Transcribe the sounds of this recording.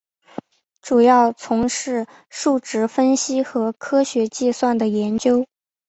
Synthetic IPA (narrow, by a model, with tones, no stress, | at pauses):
ʈ͡ʂu˨˩jɑ˥˩ʊt͡sʰʊ˧˥ŋʂɻ̩˥˧ | ʂu˥˩ʈ͡ʂɻ̩˧˥fə˥nɕi˥xɤ˧˥kʰɤ˥ɕɥɛ˧˥t͡ɕi˥˧swa˥˩nd̪ə˩jɛ˧˥nt͡ɕjo˥ʊ